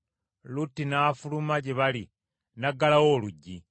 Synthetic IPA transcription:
lutːinaːfulumaɟeβali | naɡalawo̞ːluɟːi

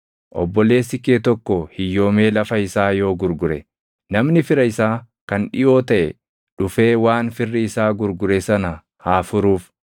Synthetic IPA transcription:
ʔɔ̰bːɔle̞ːsɪkːeːt̪ɔkːɔhɪjːo̞ːme̞ːlɐfɐɪsaːjo̞ːɡʊɾɡʊɾɛ | nɐmnɪfɪɾɐɪsaː | kɐnᶑɪʔo̞ːt̪ɐʔɛ̰ | ᶑʊfe̞ːwaːnfɪrːɪɪsaːɡʊɾɡʊɾɛsɐnɐ | haːfʊɾuːf

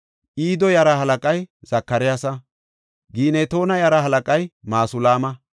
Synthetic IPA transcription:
ʔiːd̪ɔjɐɾɐhɐlɐkʼɐjz̥ɐkːɐɾɪjasɐ | ɡiːneːt̪o̞ːnɐjɐɾɐhɐlɐkʼɐjmaːsʊlaːmɐ

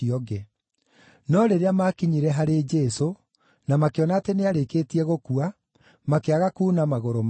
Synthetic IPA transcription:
iɔɡɛ | nɔɾeɾeamakiɲiɾɛɦaɾed͡ʒɛso | namakeɔnaːteneaɾeketiɛɣokua | makeaɣakuːnamaɣoɾom

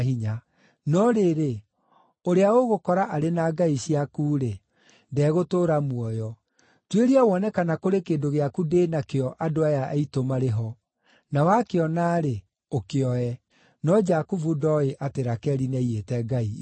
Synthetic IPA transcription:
hiɲa | nɔɾeɾe | oɾeaoɣokɔɾaʔaɾenaɡaiɕiakuːɾe | ndɛɣotoːɾamwɔjɔ | tweɾiawɔnɛkanakoɾekeːndoɣeakudenakeɔʔadoajaʔaitomaɾeɦɔ | nawakeɔnaɾe | okeɔɛ | nɔd͡ʒakuvudɔeʔateɾakɛɾinɛietɛɡai

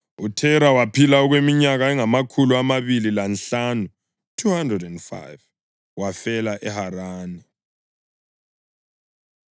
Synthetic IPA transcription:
utʰɛɾawapʰilaɔɣwemiɲaɣaɛŋamakʰuluamaβililanɬanu | tʰuhandrɛdɛndfa̰jv | wafɛlaʔɛhaɾaːnɛ

